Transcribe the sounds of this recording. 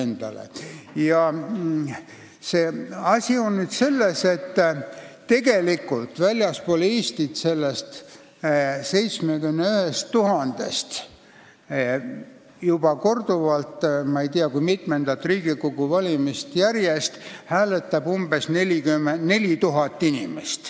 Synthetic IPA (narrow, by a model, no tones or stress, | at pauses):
end̪̥ɑ̰lḛjɑ | seːɑsʲio̞nnyd̪̥se̞lːese̞t̪ːt̪ːe̞ɡe̞likːˑult̪vælʲjɑspoliːst̪it̪se̞lːest̪ | se̞jt̪smekynnːeyhe̞st̪ːuhɦɑnd̪̥e̞st̪ | jub̥ɑko̞rd̪uvɑlt̪ːˑmɑejt̪iɑkujmit̪mend̪ɑt̪riːɡikoɡuvɑlʲimist̪jærje̞st̪hæːle̞t̪ːˑɑb̥umb̥e̞sneliɡymene̞lʲit̪uɦɑt̪ːinimest̪